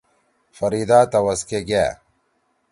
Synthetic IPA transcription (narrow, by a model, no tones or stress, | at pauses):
fɐɾiːd̪aːt̪ɐwɐskeɡa̰ː